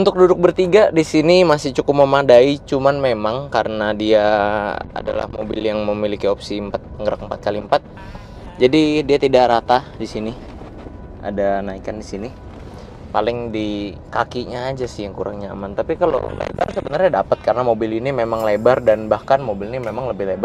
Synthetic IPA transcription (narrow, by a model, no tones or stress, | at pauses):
unt̪ʊk̚dudʊk̚bərt̪iɡadisinimasɪht͡ʃukʊp̚məmadait͡ʃumanmemaŋkaɾənadia | a̰da̰la̰hmo̰bɪ̰ljaŋməmilikiopsiəmpat̪̚əŋɡəɾa̰k̚əmpat̪̚kalimpat̪̚ | d͡ʒadidiat̪idaʔɾat̪adisini | a̰danaikandisini | palɪŋdikakiɲaːd͡ʒasɪjaŋkuɾa̰ŋɲa̰ːmant̪apikalo̰lḛba̰rsəbənarɲadapət̪̚kaɾənamobɪlinimemaŋlebardanbahkanmobilinimemaŋləbɪhlebar